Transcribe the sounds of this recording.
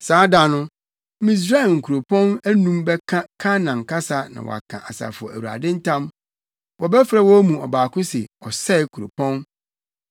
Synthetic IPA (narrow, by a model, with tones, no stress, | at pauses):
saː˨˦da˨nʊ̃˦ | mĩ˨s̬ɾa˦˨ŋ̩˨kʰu˨ɾo˨pʰɔ̃˦næ˦nũ˦mbɛ˦kʰa˦kʰã˦nã˨ŋ̩˨kʰa˦sa˦nã̰˨wɔ̰˨a̰˨kʰã̰˨ʔa˨sa̰˨fʊ˨ɔ˨æ˨wu˨a̰˨dɪ̃˦n̩˦tʰã˦m | wɔ˨bɛ˦fɾa˨wɔ˦mũ˨ɔ˨baː˨kʰʊ̃˦sɪ˨ɔ˨sɛ˦˨kʰu˨ɾo̰˨pʰɔ̃˦n